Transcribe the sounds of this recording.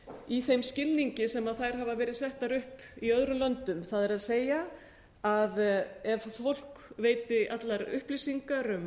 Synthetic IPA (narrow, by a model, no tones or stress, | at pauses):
iθejmscɪlniɲcɪsɛmaðθajɾ̥ɦavavɛːɾɪðsɛht̪aɾʏhpiœðɾʏmlœnt̪ʏmθaðɛɾaðseːja | aðɛvfowl̥kveːjt̪ɪʔat̪laɾʏ̰hplisiŋkaɾʏm